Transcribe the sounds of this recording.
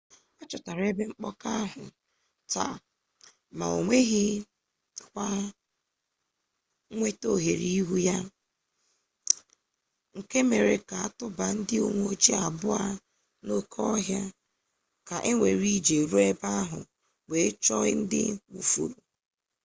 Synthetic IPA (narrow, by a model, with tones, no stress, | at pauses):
a˦t͡ʃɔ˨ta˨ɾe˦be˦ŋ͡m̩˦k͡pɔ˦ka˦ɦʊ˨ | ta̰˨ | ma̰˨o̰˨ŋʷe˦ɦɪ˦ | kʷa˦ | ŋʷe˦to˦˨ɦe˨ɾi˦i˦ɦu˦ja˦ | ŋ̩˨ke˦me˨ɾe˨ka˨a˨tʊ˦ba˨n̩˦dɪ˦o˨ŋʷ˦o˦d͡ʒi˦a˨bʊ˦a˦ | no˦kʰɔ˦ɦja˦ | ka˨ʔɪ˦ŋʷe˨ɾi˦d͡ʒe˨ɾu˦e˦ba˦a˦ɦʊ˨ | we˨˦t͡ʃɔ˦ɪ̰˦n̩˦dɪ̰˦u˨fṵ˨ɾu˨